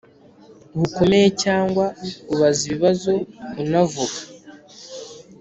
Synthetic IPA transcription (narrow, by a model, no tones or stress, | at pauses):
huko̞me̞jecaːŋɡwauβaziβiβazo̞unavuɡa